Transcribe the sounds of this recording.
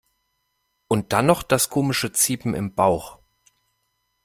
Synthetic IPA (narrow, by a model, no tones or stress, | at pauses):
ʔʊnt̚d̥anɔχd̥askʰoːmɪʃət͡siːpm̩ɪ̰mbaʊx